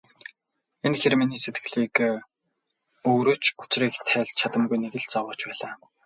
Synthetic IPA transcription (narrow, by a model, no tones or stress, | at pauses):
enxerminiːset̪ɡɘ̥̆ɮiːk | oːɾoːt͡ɕu̥t͡ɕriːkt̪ʰæːɮʲt͡ɕʰat̪ə̆mɣujneɣɘ̆ɮt͡sɔwʊːt͡ɕpæːɮaː